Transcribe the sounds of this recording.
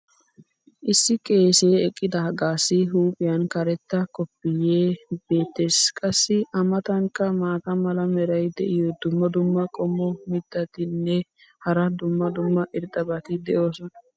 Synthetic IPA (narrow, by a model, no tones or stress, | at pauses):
ʔɪsːɪkʼe̞ːse̞ːɛkʼːɪd̪ɐhɐɡaːsːɪɦuːpʼɪjɐnkɐɾɛt̪ːɐkɔpːɪjeːbe̞ːt̪ːe̞ːskʼɐsːɪʔɐmɐt̪ɐŋkːɐmaːt̪ɐmɐlɐmɛɾɐjd̪ɛʔɪjɔd̪ʊmːɐd̪ʊmːɐkʼɔmːɔmɪd̪ːɐt̪ɪnːɛ | hɐɾɐd̪ʊmːɐd̪ʊmːɐʔɪɾt̪ʼɐbɐt̪ɪd̪ɛʔo̞ːsɔnɐ